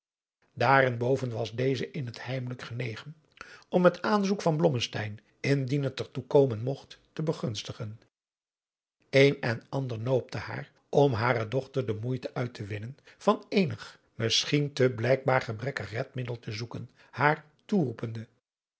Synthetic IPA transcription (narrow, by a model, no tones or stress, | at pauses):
daːɾɪnbowvənʋɑzdejzəʔɪnɦəthɛjmələkχənejχən | ɔmətaːnzukfɑnblɔməstɛjn | ɪndinɦətəɹtukoːwmənmɔχtːəbəχɵnstəχən | ejnɛnɑndəɹnoːwp̚tʰəha̰ːr | ʔɔmɦaːɾədɔχtəɹdəmujtəʔœɥtʰəʋɪnənv̥ɑnejnəχ | mɪsχintəblɛjk̚baːɹχəbrɛkəχrɛtmɪdəlˠtʰəzukən | haːɹ | turupəndə